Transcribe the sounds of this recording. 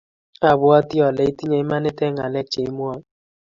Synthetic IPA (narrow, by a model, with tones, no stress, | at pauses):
a˨bʊ˦ɔ˦tɪ˦ɔ˨le˦i˦ti˦ɲe˨˦ma˦nɪ˦tɛ˦ŋa˨lɛ˦t͡ʃe˨i˦m˦ɔ˦